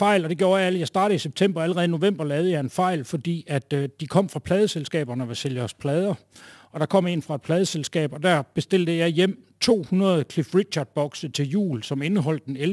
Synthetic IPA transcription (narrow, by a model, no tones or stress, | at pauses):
fɑ̈ɪ̰lɒd̥e̝ɡ̥jo̝ːɐjɑæljɑ̈ɪsd̥ɑ̈ːd̥ð̩ˠiseb̥̚t͡sʰem̰b̥ɐæləʁɛːð̩ˠino̝ʋem̰b̥ɐlɛːʊð̞̩ˠəjɑ̈ɪe̝nfɑ̈ɪ̰lfɒ̽d̥ḭːæd̥d̥ikʰɒ̽m̰fʁɑ̈pʰlɛːð̞ˠəselsɡ̥ɛ̰ːb̥ɐnəɒʋeseljəɒspʰlɛːð̞ˠɐɒ̽d̥ɑ̈kʰɒ̽m̰e̝nfʁɑ̈ed̥̚pʰlɛːð̞ˠəselsɡ̥ɛ̰ːb̥ɒ̽d̥æɐb̥e̝sd̥e̝l̰d̥əjɑ̈ɪjem̰t͡sʰo̝̰ːhunɐð̞ˠkʰlifʁi̥ɕʰɑ̈d̥̚b̥ɒ̽ɡ̥sət͡sʰe̝ljṵːlsɒ̽me̝nəɦɒ̽l̰d̥enel